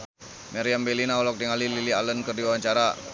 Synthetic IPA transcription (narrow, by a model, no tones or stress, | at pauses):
mɛɾiambɛlinaɔlɔk̚diŋalililialənkərdiwawaɲt͡ʃaɾa